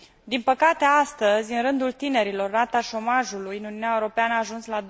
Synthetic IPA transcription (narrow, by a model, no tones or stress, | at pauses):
d̪inpəkat̪e̞ast̪əzʲɨnɾɨnd̪ult̪ine̞ɾilo̞rːat̪aʃo̞maʒulujɨnuniunʲaeuɾo̞peanəaːʒunslad̪